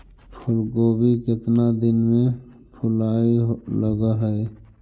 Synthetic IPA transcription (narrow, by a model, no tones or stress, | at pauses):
pʰʊlkoːbikɪt̪nad̪ɪnmẽ | pʰʊlaːiɦləɡaɦɛe